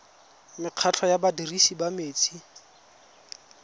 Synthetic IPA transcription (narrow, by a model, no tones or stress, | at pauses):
mɪq͡χʰat͡ɬʰɔjabadirisibameːt͡sʰi